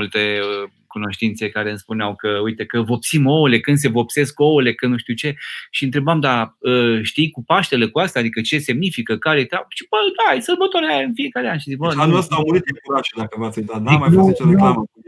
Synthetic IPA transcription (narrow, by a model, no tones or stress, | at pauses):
ult̪e̞ə | kuno̞ʃt̪int̪se̞kaɾeɨnspuneawkəujt̪e̞kəvo̞psimo̞le̞kɨnd̪se̞vo̞pse̞sko̞le̞kənuʃt̪iut͡ʃe̞ʃiɨnt̪ɾe̞bamd̪aəʃt̪ijkupaʃt̪elekuast̪aːd̪ikət͡ʃe̞se̞mnifikəkaɾet̪aʃibəd̪ajsəlbət̪oɾajaɨnfie̞kaɾeanʃizikbəanuast̪awmuɾit̪̚ikuɾaʃed̪akəvat̪sʲed̪at̪̚d̪imanuseuama